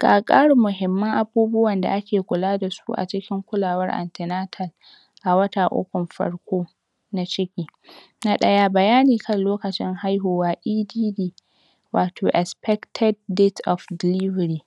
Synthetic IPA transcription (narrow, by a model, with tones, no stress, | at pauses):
kaː˨kʼaː˦ɽu˨mʊ˨ɦɪ˨mːɐ˦ŋʔa˨buː˦bʊ˦wɐ˨nda̰˨ʔa˦kʲeː˨kʷʊ˨laː˦da˨su̥˦ʔa̰˨t͡ʃɪ˦kʲɪ˦ŋkʷʊ˦laː˨wɐ˦rʔa̰˨ntɪ˨naː˦tʰɐ˨l | ʔa˨wɐ˦ta˨ʔʊ̰˦kʷʊ˨mɸɐ̰˦ɽkʷoː˦ | na˦t͡ʃɪ˦kʲiː˨ | na˦ɗɐ˦ja˦bɐ˨jaː˦niː˨kɐ˦nloː˦kɐ˨t͡ʃɪ˦ŋɦa˦jɦoː˨waː˦ʔiː˦diː˦diː˨ | waː˨tʰoː˨ʔɛ˨spɛ˦ktʰɛ˦d̚ːe˦tʔɔ˨fdɪ˨lɪ˦vɐ˨ɾiː˨